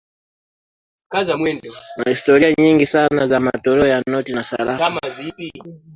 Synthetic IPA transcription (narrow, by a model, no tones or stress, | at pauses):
kazamwɛndɔmahistɔɾiaɲiŋɡisanazama̰tɔɾɛɔjanɔtinasa̰ɾakamazipi